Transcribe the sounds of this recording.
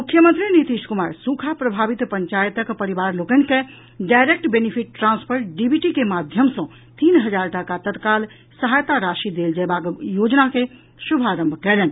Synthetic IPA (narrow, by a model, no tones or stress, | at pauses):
mukʰːjəmənt̪ɾinit̪iʃkumaɾsũkʰapɾəbʱabit̪pəɲt͡ʃajt̪əkpəɾibaɾlokənke | ɖajɾek̚ʈbenipʰiʈːɾãnspʰəɾʈɖibʱiʈikemad̪ʱjəmsə̃ | t̪inɦəd͡ʒaɾʈəkat̪ət̪kal | səɦajt̪aɾaʃid̪eld͡ʒɛbakjod͡ʒnake | subʱaɾəmbʱkɛlɛn